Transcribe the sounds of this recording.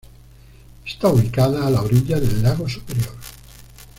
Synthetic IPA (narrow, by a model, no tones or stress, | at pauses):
est̪auβikaðaːlaoɾiʎaðelːaɣosupeɾjoɾ